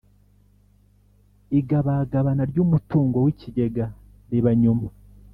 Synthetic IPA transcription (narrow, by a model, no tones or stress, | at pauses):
iɡaβaːɡaβanaɾɟuːmutuːŋɡo̞wiciɟe̞ɡa | ɾiβaɲuma